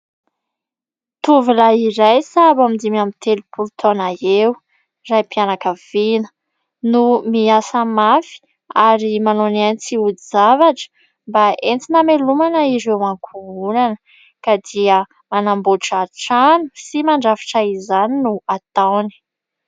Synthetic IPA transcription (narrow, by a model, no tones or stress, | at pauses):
t̪uvilaiɾajsabamid̪imamit̪elupʰult̪ʰonaew | rajpianakəv̥inə̥ | numiasəmafi̥ | aɾimanonant͡siud̪izavaʈ͡ʂə̥ | mbaent͡sinamelumanəiɾewaŋkʰuunanə | kad̪iə | manamboʈ͡ʂaʈ͡ʂanu̥simaɳɖ͡ʐafi̥ʈ͡ʂaizaninuat̪awni̥